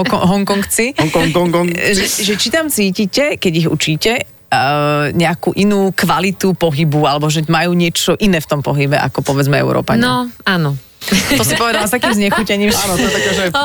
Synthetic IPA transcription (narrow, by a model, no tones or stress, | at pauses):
ɔɦɔŋkɔŋkt͡siŋkɔŋɔŋkɔŋʒɛʒɛt͡ʃit̪amt͡siːcicɛkɛɟiɣṵt͡ʃiːcɛ | ɲɛakuːʔinuːkʋalit̪upɔɦibualɛbɔʒɛmajuːɲɪɛt͡ʃɔʔinɛːft̪ɔmpɔɦibɛʔa̰kɔpɔʋɛd͡zmɛɛ̰ʊɾʔɔ̰ːpaɲnnɔaːnɔ | ɔsipɔʋɛd̪alast̪ak̪iːmzɲɛxuːcɛɲiːmɛaːnɔt̪ɔɛt̪akɛːʒɛ